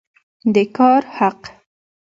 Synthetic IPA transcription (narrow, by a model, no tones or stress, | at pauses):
d̪əkɑɾhaq